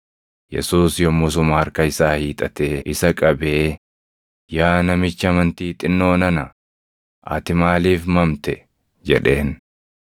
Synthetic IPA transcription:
jɛ̰suːsjɔmʊs̬ʊmaɐɾkɐɪsaːhiːt̪ʼɐt̪eːʔɪsɐkʼɐbeː | jaːnɐmɪt͡ʃːɐmɐnt̪iːt̪ʼɪnːo̞ːnɐnɐ | ʔɐ̰t̪ɪmaːliːfmɐmt̪ɛ | d͡ʒɛ̰ᶑe̞ːn

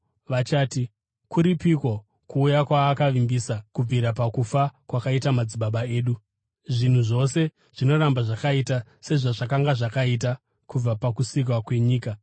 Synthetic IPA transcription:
ʋat͡ʃaːti | kuɾipikwo̞ | kuːjakwaːkaʋimbisakub͡viɾapakufakwakaitamad͡ziɓaɓae̞ːɗu | ʐin̤uʐo̞se̞ | ʐ̥ino̞ɾambaʐakaitase̞ʐaʐakaŋɡaʐakait̬a | kub͡vapakusik̬wakwe̞ɲiːka

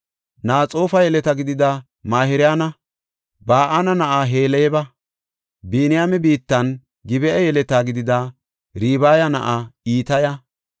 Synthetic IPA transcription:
naːt͡sʼo̞ːfɐjɛlɛt̪ɐɡɪd̪ɪd̪ɐ | maːhɪɾɪjaːnɐ | baːʔanɐnɐʔaɦe̞ːlɛjɛbɐ | biːnɪjaːmɛbiːt̪ːɐn | ɡɪbɛʔɛjɛlɛt̪aːɡɪd̪ɪd̪ɐ | ɾiːbaːjɐnɐʔaiːt̪ɐjɐ

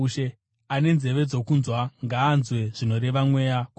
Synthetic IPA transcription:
ʃe | ane̞nze̞ʋe̞d͡zo̞kunzwaŋɡaːnzwe̞ʐ̥ino̞ɾe̞ʋamwe̞jaku

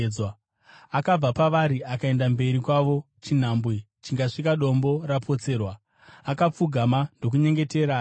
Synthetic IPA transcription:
wa | akab͡vapaʋaɾiʔakae̞ndambe̞ɾikwaʋo̞ | t͡ʃin̤ambwi | t͡ʃiŋɡaʂikaɗo̞mbo̞rapʰo̞t͡se̞ːrwaː | kap͡fuɡʱamando̞k̬uɲe̞ŋɡe̞te̞ːɾa

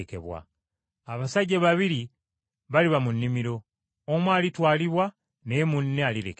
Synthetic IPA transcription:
kḛβwa̰ | aβasaɟːaβaβiɾi | βaliβamunːimiɾo̞ | omwaːlitwaːliβwa | nemunːealiɾḛk

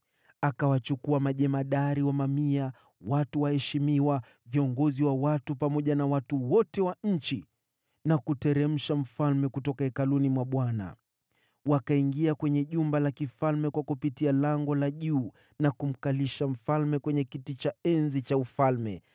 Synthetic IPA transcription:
akawat͡ʃukuamaʄɛmaɗaɾiwamamia | watuwahɛʃimiwa | viɔŋɡɔziwawatupamɔʄanawatuwɔtɛwaɲ̩t͡ʃi | nakutɛɾɛm̩ʃam̩falmɛkutɔkaɛkalunimwaɓwana̰ | wakaiŋɡiakwɛɲɛʄumbalakifalmɛkwakupitialaŋɡɔlaʄuː | nakum̩kaliʃam̩falmɛkwɛɲɛkitit͡ʃaɛnzit͡ʃaufalmɛ

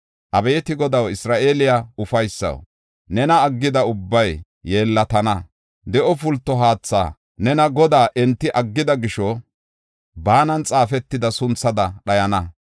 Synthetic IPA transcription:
ʔɐbeːt̪ɪɡɔd̪ɐwɪsɾaːʔeːlɪjaʊfɐjsːɐ̰w | nɛnɐːɡːɪd̪ɐʊbːɐjː | e̞ːlːɐt̪ɐnɐ | d̪ɛʔɔfʊlt̪ːɔɦaːt͡sːa̰ː | nɛnɐɡɔd̪aːʔɛnt̪ːɪʔɐɡːɪd̪ɐɡɪʃɔ | baːnɐnt͡sʼaːfɛt̪ːɪd̪ɐsʊnt͡sːɐd̪ɐɗɐjɐnɐ

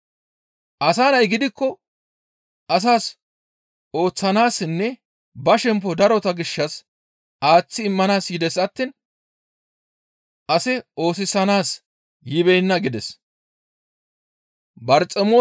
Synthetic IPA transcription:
ʔɐsaːnɐjɡɪd̪ɪkːɔ | ʔɐs̬aːs | o̞ːt͡sːɐnaːsːɪnːɛ | bɐʃɛmp̬ːɔd̪ɐɾɔt̪ɐɡɪʃːɐs | ʔaːt͡sːɪːmːɐnaːsjɪd̪ɛsɐt̪ːiːn | ʔɐsɛo̞ːsɪsɐnaːs | jɪβɛjnːɐɡɪd̪ɛs | bɐɾt͡sʼɛmoː

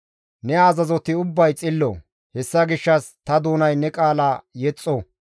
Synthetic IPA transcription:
nɛaːzɐzɔt̪ɪʊbːɐjt͡sʼɪlːɔ̰ | hɛsːɐɡɪʃːɐst̪ɐd̪uːnɐjnɛkʼaːlajɛt͡sʼːo

